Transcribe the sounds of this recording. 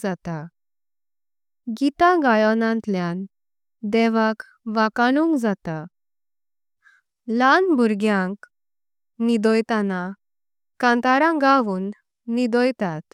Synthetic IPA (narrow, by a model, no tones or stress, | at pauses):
d͡zat̪a | ɡit̪aɡajɔnãnt̪ljan | d̪ɛʋak | ʋakaɽ̃uŋkd͡zat̪a | lanbʱuɾɡjãŋk | nid̪ɔjt̪ana | kãnt̪aɾãɡaʋuːnː | id̪ɔjt̪at̪